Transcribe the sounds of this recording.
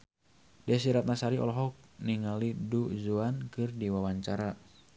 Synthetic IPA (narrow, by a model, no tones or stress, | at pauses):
dɛs̬iɾat̪̚nasaɾiɔ̰lɔɦɔk̚niŋaliduzuankɨrdiwawaɲt͡ʃaɾa